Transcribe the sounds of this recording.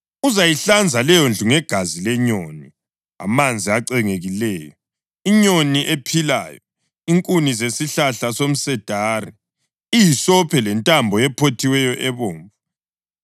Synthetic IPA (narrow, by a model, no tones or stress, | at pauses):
uzajiɬand͡zʱalɛjond͡ɮʱuŋɛɡ̥ʱazilɛɲoni | a̰mand͡zʱiaǀɛŋeɣilɛːjɔ | iɲoniʔepʰila̰ːjɔ | iŋkʼunizesiɬaɬasom̩sɛd̥ʱaːrɛ | ijisɔpʰɛlɛntʼambʱɔɛpʰotʰiwɛjɔʔɛβoːɱvu